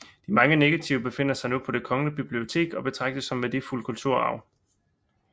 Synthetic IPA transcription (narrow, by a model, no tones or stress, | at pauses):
d̥imɑ̈ŋəne̝ɡ̥æt͡sʰiʊb̥e̝fe̝n̰ɐsɑ̈ɪnupʰɒ̽d̥e̝kʰɒ̽ŋənəb̥ib̥lio̝t͡sʰe̝̰ːɡ̥ɒ̽b̥e̝t͡sʰʁɑ̈ɡ̥̚d̥əsɒ̽mʋed̥e̝fulkʰult͡sʰuɐ̰ɑ̈ʊ